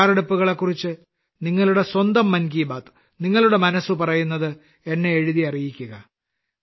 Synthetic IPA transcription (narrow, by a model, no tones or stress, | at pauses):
riɽupːuɣɐɭe̞kːurit͡ɕːɨ | niŋːɐɭuɽe̞swɐnd̪ɐmːɐnɡiːbaːt̪ɨ̥ | niŋːɐɭuɽe̞mɐnɐsupɐrɐjunːɐðɨ | e̞nːe̞ːɻuðiɐrijikʲːuɣɐ